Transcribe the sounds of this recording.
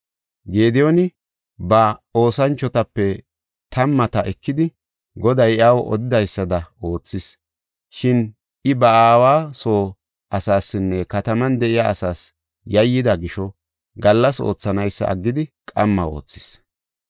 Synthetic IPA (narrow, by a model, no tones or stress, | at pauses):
ɡe̞ːd̪ɛjɔnɪ | bɐo̞ːsɐnt͡ʃːɔt̪ɐpːɛ | t̪ɐmːɐt̪ɐʔɛkːɪd̪ɪ | ɡɔd̪ɐjɐwɔ̰d̪ɪd̪ɐjsːɐd̪ɐo̞ːt͡sːɪs | ʃɪn | ʔɪbɐaːwaːso̞ː | ʔɐsaːsːɪnːɛkɐt̪ɐmɐnd̪ɛʔɪjaːsaːs | jɐjːɪd̪ɐɡɪʃɔ | ɡɐlːɐso̞̰ːt͡sːɐnɐjsːɐ̰ʔɐ̰ɡːɪd̪ɪkʼɐmːɐo̞̰ːt͡sːɪ̥s